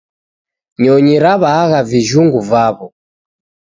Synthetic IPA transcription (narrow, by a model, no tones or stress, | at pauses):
ɲɔɲiɾaβaːɣaviʒuŋɡuvaβɔ